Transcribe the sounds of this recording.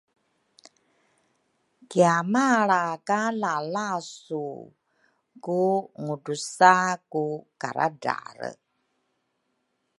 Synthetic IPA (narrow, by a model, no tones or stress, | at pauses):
kiamaɭakalalasṵ | kuŋudusakuka̰ɾa̰da̰ɾə̰